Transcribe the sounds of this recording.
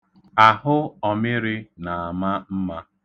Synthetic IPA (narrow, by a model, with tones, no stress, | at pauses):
a˨ɦʊ˦ɔ˨mɪ˦ɾɪ˦na˨a˨ma˦m̩˦ma˦